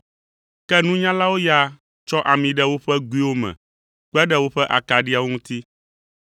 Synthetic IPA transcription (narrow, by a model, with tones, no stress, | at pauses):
kɛ˦nũ˦ɲã˦la˦wo˦ja˦ | t͡ʃɔ˦ʔa˨mĩ˨ɖɛ˦wo˦ɸɛ˦ɡu˦i˦wo˦mɛ̰̃˨ | k͡pɛ˦ɖɛ˦wo˦ɸɛ˦ʔa̰˨ka˨ɖi˦a˨wo˦ŋũ˦t̪i˦